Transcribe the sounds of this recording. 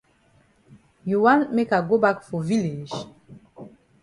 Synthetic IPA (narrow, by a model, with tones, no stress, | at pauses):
ju˨wã˦nme˦ka˨ɡo˦ba˦kfɔ˨vi˦le˨d͡ʒ